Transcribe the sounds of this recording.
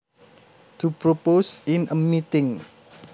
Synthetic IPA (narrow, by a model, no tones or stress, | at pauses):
t̪ʰupɾoposɪnəmit̪ɪŋ